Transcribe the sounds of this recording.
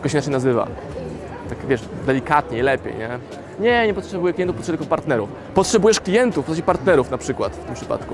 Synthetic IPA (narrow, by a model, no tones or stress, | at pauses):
kɔɕɛinat͡ʂɛjnazɘva̰ | t̪akvʲjɛʂd̪ɛlʲikat̪ɲɛilɛpʲjḛjɲɛ | ɲɛɲɛpɔtʂɛbujɛklʲiɛnufpɔt̪ʂɛt̪kɔpaɾt̪nɛɾuf | pɔtʂɛbujɛʂklʲijɛnt̪ufpɔsat͡ɕɛpaɾt̪nɛɾufnapʂɘkwa̰t̪ft̪ɘmpʂɘ̥pa̰t̪ku